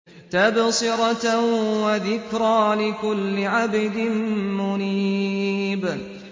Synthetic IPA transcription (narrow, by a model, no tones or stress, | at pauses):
t̪absˤɪɾɑwaðɪkɾˤaːlɪkʊlːɪʕabɪd̪ɪnmʊniːb